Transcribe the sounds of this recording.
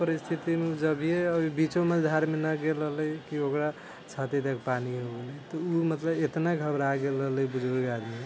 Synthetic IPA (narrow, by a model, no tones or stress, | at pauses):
pəɾist̪ʰit̪imeud͡ʒəbʱijeəbibit͡ʃoməd̪ʱaɾmenəɡeləɦləjkiokɾa | t͡ʃʰat̪et̪akpaniɦoɡelət̪ɔumət̪ləbet̪naɡʱəbɾaɡeləɦləjbud͡ʒʱoɾɡad̪mi